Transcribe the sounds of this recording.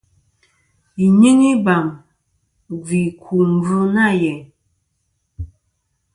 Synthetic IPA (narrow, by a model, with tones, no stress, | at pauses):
i˨ɲe˦ŋi˦ba˨m | vi˨kʰu˨m̩˨vu˦na˦˨jɛ˨